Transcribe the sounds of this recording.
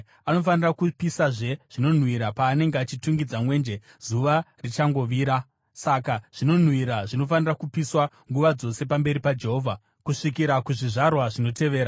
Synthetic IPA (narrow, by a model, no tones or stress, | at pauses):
ano̞fanirakupisaʐe̞ʐ̥ino̞n̤wiɾapaːne̞ŋɡeat͡ʃituŋɡid͡zamwe̞ːnd͡ʒe | zuʋarit͡ʃaŋɡo̞ʋiːɾa | sakaʐ̥ino̞n̤wiɾaʐino̞fanirakupiswa | ŋɡuʋad͡zo̞se̞pambe̞ɾipad͡ʒe̞ɦo̞ːvʱa | kuʂikiɾakuʐiʐarwaʐino̞te̞ʋe̞ːɾa